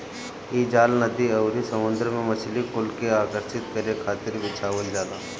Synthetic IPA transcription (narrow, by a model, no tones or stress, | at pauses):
iːd͡ʒaːlnəd̪iɐʊɾisɐmʊ̃nd̪ɾmẽmɐt͡ʃʰlikʊlkeaːkəɾʃɪt̪kɐɾekʰaːt̪ɪɾʋɪt͡ʃʰaːʋəd͡ʒlaːlaː